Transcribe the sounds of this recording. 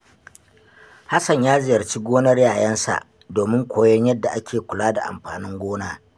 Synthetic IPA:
ha˦sɐ˨ɲjaː˦zɪ˨jɐ˨rt͡ʃi˦ɡʷoː˦nɐ˦rjaː˨jɐ˦nsa̰˨ʔ | doː˨mɪ˦ŋkʷʰoː˨jɔ˦ɲjɐ˦dːa˨ʔa˦kʲʰeː˨kʷʊ˨laː˦da˨ʔa̰˨mɸaː˨nɪ˦ŋɡʷoː˦naː˦

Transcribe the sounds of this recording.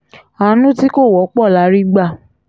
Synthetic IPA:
a˨˦nũ˦ti˦ko˦˨wɔ˨˦k͡pɔ˦˨la˨˦ɾi˦ɡ͡ba˧˨

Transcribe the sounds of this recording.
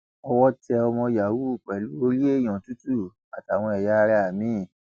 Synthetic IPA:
ɔ˧wɔ˦tɛ˧ɔ˧mɔ̃˧ja˨wu˦˨k͡pɛ˨lu˨˦o˧ɾi˦e˦˨j̃ɔ̃˨tu˦tu˦˨ | a˨ta˨w̃ɔ̃˧ɛ˨ja˨˦˧ɾɛ˧a˨mĩ˨˦˨

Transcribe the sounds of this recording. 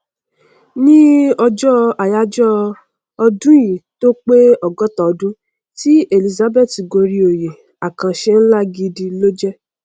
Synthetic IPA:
nĩ˦ɔ˧d͡ʒɔ˦a˨ja˦d͡ʒɔ˦ | ɔ˧dũ˦jĩ˨to˦k͡pe˦ɔ˨ɡɔ˦tɔ˨ɔ˧dũ˦ | ti˦e˨li˧za˧be˦˨ti˨ɡo˧ɾi˧o˨je˨ | a˨kã˧ʃe˦n̩˦la˦ɡi˧di˧lo˦d͡ʒɛ˦

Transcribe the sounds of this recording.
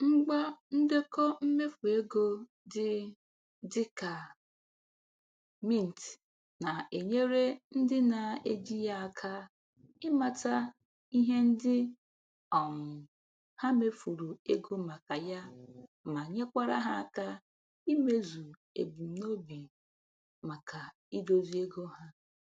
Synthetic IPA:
ŋ͡m̩˦ɡ͡ba˦n̩˦de˦kɔ˦m̩˦me˦fu˨e˦ɡo˦ | dɪ˦ | dɪ˦ka˨ | mi˦˨n̩˨t | na˨e˨ɲe˦ɾe˦n̩˦dɪ˦na˨e˦d͡ʒi˦ja˦a˨kʰa˦ | ɪ˦ma˨ta˦ | i˦ɦe˦n̩˦dɪ˦ | ɔ˨ŋʊ˨ | ha˦me˦fu˨ɾu˨e˦ɡo˦ma˨ka˨ja˦ma˨ɲe˦kʷa˦ɾa̰˦ɦa˦a˨ka˦ | i˦me˦zu˨ | ḛ˨bu˨n̩˨no˦bi˨ | ma˨ka˨ | i˦do˦zi˦e˦ɡo˦ɦa˦

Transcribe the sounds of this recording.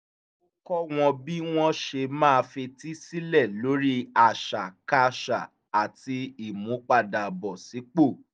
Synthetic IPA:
o˦kɔ˦w̃ɔ̃˧bi˦w̃ɔ̃˦ʃe˧mãː˦˧fe˧ti˦si˦lɛ˦˨lo˨˦ɾi˦a˨ʃa˨ka˦ʃa˨ | a˨ti˧i˦˨mũ˨˦k͡pa˦da˨bɔ˨si˨˦k͡po˦˨

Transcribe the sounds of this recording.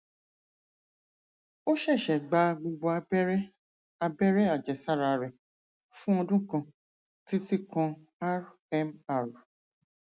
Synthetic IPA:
o˦ʃɛ˦˨ʃɛ˨ɡ͡ba˧ɡ͡bo˧ɡ͡bɔ˧a˧bɛ˦ɾɛ˦ | a˧bɛ˦ɾɛ˦a˦˨d͡ʒɛ˨sa˦˨ɾa˧ɾɛ˨ | fũ˦ɔ˧dũ˦kã˧ | ti˦ti˦kã˧ | a˦ɾ | ɛ˦ma˨ɾ

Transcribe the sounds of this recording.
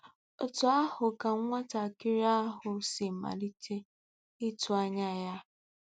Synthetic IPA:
o˦tʊ˨a˦hʊ˨ka˨ŋ̩˦ŋʷa˦ta˨kɪ˦ɾa˦ɦʊ˨sɪ˨m̩˨ma̰˨li˦tʰe˦ | i˦tu˨a˦ɲa˦ja˦

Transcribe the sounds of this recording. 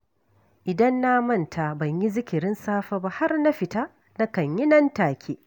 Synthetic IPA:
ʔɪ˨dɐ˦nːaː˦mɐ˦˨ntʰa˨bɐ˨ɲji˦zɪ˦kʲɪ˨ɾɪ˦nsaː˦ɸa˦ba˦ha˦rna˦ɸɪ˨taː˦ | na˦kɐ˨ɲjɪ˦nɐ˦ntaː˨kʲʰeː˦

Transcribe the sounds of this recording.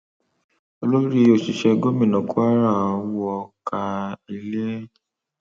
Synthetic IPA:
o˧lo˦ɾi˦o˨ʃi˧ʃɛ˧ɡo˦mĩ˦˨nɔ̃˨ku˦a˦ɾa˦˨˧wɔ˧ka˧i˧le˦

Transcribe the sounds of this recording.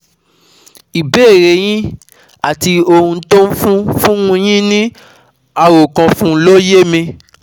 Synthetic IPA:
i˨be˦e˦˨ɾe˨˦j̃ĩ˦ | a˦˨ti˧o˧hũ˧to˦fũ˦fũ˦ũ˧j̃ĩ˦nĩ˦ | a˧ɾo˨kã˧fũ˦lo˦je˦mĩ˧

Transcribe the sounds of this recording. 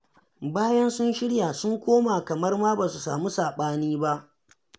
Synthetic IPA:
baː˦jɐ˦nsʊ˦nʃɪ˦ɽjaː˨sʊ˦ŋkʷoː˦maː˨kɐ˨mɐ˦rmaː˦ba˨su˨sa̰ː˨mu˦saː˨ɓaː˦niː˦ba˦ʔ

